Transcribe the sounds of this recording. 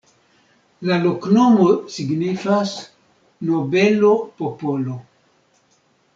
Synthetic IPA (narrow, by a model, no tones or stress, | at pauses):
laloknomosiɡnifas | nobelopopolo